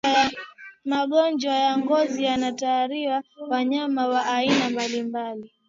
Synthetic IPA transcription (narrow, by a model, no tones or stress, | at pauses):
amaɠɔnd͡ʒwajaŋɡɔzijanataːɾiwawaɲamawaʔainambalimbali